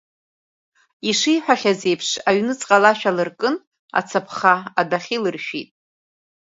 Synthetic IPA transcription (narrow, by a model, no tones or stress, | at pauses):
iʂijħʷᶣaχʲaze̞jpʰʂaɥnɨt͡sʼqʼalaʃᶣalɨrkʼɨn | a̰t͡sʰapʰχaadaχʲilɨrʃᶣitʼ